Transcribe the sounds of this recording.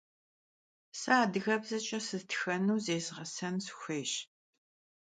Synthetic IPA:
saːdɨɣɐbzɐt͡ʃʼɐsɨztʰxɐnuːzeːzʁɐsɐnsxʷeːʃ

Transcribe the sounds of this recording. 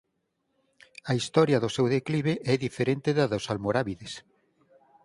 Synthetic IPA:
ɐist̪ɔɾjɐðʊsewðekliβeʔɛðifeɾent̪ɪðɐðosalmoɾaβiðes

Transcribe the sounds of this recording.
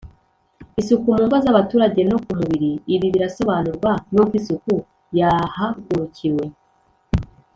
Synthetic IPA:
isukumumɡazaβatuːɾaɟe̞nokumuβiɾiːβiβiɾaso̞βanuɾɡwanokwisuku | jahaɡuɾuciwe̞

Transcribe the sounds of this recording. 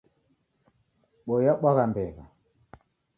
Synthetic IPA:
ɓɔjaɓaɣambɛɣa̰

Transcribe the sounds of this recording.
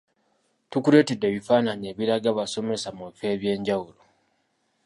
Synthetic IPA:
tukule̞ːte̞dːe̞ːβifaːnaɲe̞ːβiɾaɡaβaso̞me̞samuβife̞ːβje̞ːɲɟawulo

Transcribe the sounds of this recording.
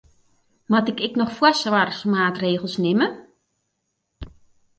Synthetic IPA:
matɪkɛknɔxfwasʋarxmaːtreːɣəlˠsnɪmə

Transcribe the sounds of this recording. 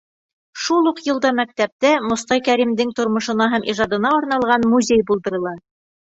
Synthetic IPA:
ʃulˠuqjɤ̆lˠd̪ɑmæk̚t̪æp̚t̪æmŏst̪ɑjkæɾimd̪ɘŋt̪ŏɾmŏʃɤ̆nɑɦæmʔiʒɑd̪ɤ̆nɑoɾnɑlˠʁɑnmuzʲejbulˠd̪ɤ̆ɾɤ̆lˠɑ

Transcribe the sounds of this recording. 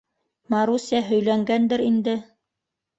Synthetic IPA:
mɑɾusʲæɦɵ̆jlæŋɡænd̪ɘɾind̪ɘ

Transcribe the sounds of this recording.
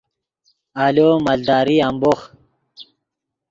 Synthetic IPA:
aloːmald̪aːɾiambox

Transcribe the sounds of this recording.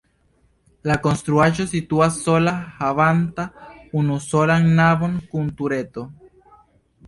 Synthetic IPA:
lakonst̪ɾuaʒosit̪uasolahaβant̪aunusolaŋnaβoŋkunt̪uɾet̪o

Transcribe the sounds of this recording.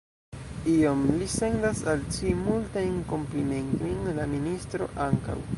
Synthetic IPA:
io̞mlise̞ndasalt͡ʃimultajnko̞mplime̞nto̞jnlaministɾo̞̰ʔaŋka̰w

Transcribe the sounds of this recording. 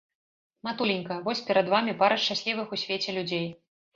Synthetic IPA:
mat̪ulʲinʲkɐvɔsʲpʲɛɾɐd̪vamʲipaɾɐʂt͡ʂasʲlʲivɨxusʲvʲet͡sʲɛlʲud͡zʲej

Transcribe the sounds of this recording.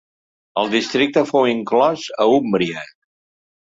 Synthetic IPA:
əlˠd̪ist̪ɾik̚t̪əfowiŋklɔzəumbɾiə

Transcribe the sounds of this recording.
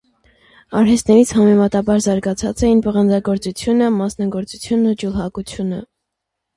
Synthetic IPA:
ɑɾɦɛst̪nɛɾit͡sʰhɑmɛmɑt̪ɑbɑɾzɑɾɡɑt͡sʰɑt͡sɛjinpəʁənd͡zɑɡɔɾt͡sut͡sʰjunəmɑsnɑɡɔɾt͡sut͡sʰjunəd͡ʒulɦɑkut͡sʰjunə

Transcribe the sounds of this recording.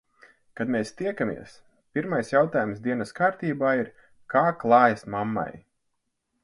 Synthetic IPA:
kad̪meːst̪iɛkamʲḭɛs | pʲiɾmajsjawt̪aːjumsd̪iɛnɐskaːɾt̪iːbaːiɾ | kaːklˠɑːjasmamːa̰j

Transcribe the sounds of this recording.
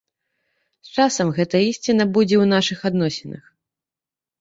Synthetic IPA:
st͡ʂasɐmɣɛt̪ɐisʲt͡sʲinːɐbud͡zʲɛwnaʂɨxad̪nɔsʲɛnɐ̰x

